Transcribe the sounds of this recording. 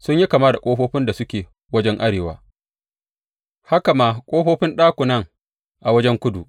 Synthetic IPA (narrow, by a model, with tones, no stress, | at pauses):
sʊ˦ɲji˦kaː˨maː˦da˨kʷʼoː˦ɸoː˦ɸɪ˦nda˨sʊ˦kʲeː˨ | wɐ˦d͡ʒɛ˦ŋʔa˦ɽeː˨wa̰ː˦ | ha˦ka˨maː˦kʷʼoː˦ɸoː˦ɸɪ˦nɗaː˦kʷʊ˨nɐ˦ŋ | ʔa˨wɐ˦d͡ʒɛ˦ŋkʷʊ˦du˨ʔ